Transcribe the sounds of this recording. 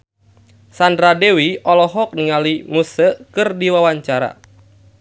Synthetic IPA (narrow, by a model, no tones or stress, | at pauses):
sandɾadewiɔlɔɦɔk̚niŋalimusəkɨrdiwawaɲt͡ʃaɾa̰